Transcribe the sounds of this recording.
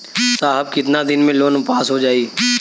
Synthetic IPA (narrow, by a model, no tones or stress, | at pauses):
saːɦəb̚kɪt̪nad̪ɪnmẽloːnpaːsɦod͡ʒaːiː